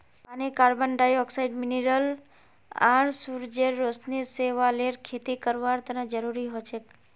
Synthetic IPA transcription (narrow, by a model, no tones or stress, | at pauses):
panikaɾbənɖajɔksaiɖmineɾəl | a̰ɾsuɾd͡ʒeɾːosniseʋaleɾkʰet̪ikəɾʋaɾt̪ənad͡ʒəɾuɾiɦot͡ʃʰe